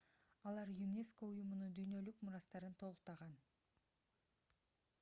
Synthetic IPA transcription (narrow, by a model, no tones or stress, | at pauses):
ɑlˠɑɾjunʲe̞sko̞ujumunud̪yjnø̞lykmʊɾɑst̪ɑɾɯnt̪ʰo̞lˠʊq̚t̪ɑʁɑn